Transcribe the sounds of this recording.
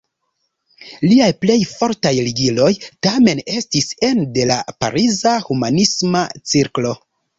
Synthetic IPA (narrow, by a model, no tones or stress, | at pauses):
liajple̞jfo̞ɾtajliɡilo̞jtame̞ne̞stise̞nde̞lapa̰ɾizahumanismat͡siɾklo̞